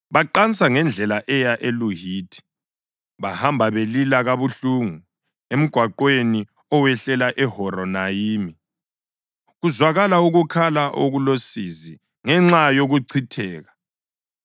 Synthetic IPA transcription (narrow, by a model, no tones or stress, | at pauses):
βaǃant͡sʼaŋɛnd͡ɮʱɛlaʔɛjaʔeluɦiːd̥ʰʱi̥ | βahambʱaβelilaɣaβuɬuːŋu | em̩ɡ̥ʱwaǃweni | ɔwɛɬɛlaʔɛhɔɾɔnajiːmi | ɣuzwaɣalauɣukʰalaʔoɣulosizi | ŋɛŋ͡ǁajoɣuǀʰitʰɛːɣa